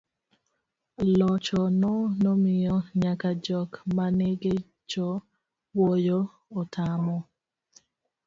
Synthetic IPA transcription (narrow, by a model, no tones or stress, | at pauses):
lɔt͡ʃɔnɔnomɪjɔɲakad͡ʒɔkmaneɡɪ | t͡ʃɔ | wojo | otʰamɔ